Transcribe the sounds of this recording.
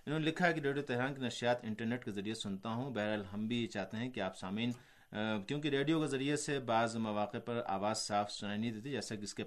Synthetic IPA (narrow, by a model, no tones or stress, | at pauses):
ɪnɦõːnelɪkʰaɦɛkiɾeːɖijot̪ɛɦɾaːnkinɐʃijaːt̪ɪ̃ɳʈəɾneːʈkezɐɾijesʊnt̪aɦũbɛɦɾəlɦɐmbʱit͡ʃaːt̪eɦɛ̃kiaːpsaːmiːn | kjõːk̬eɾeːɖijokezɐɾijesebaːzmɐʋaːqepɐɾa̰ːʋaːzsaːfsʊnaːinɐɦĩd̪eːt̪ʰid͡ʒɛːsakɪske